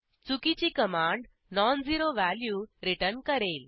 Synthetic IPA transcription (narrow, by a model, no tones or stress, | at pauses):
t͡sukit͡ɕikəmãɳɖ | nɔnd͡ziɾoʋæljuɾiʈəɾnkəɾel